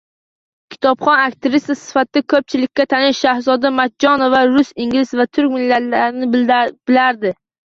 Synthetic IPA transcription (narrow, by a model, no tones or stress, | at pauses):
kʲʰɪ̥t̪ʰɒpχɒnakʲt̪ɪvɪst̪asɪ̥fat̪ɪd̪akʰɵp̚t͡ʃʰɪlɪkʲːat̪ʰanɪʃʃahzɒd̪amat̪̚d͡ʒɒnovaɾʊsɪŋʲlɪzvat̪ʰʊɾkʲmɪlːalaɾɪnɪb̥ɪlaɾd̪ɪ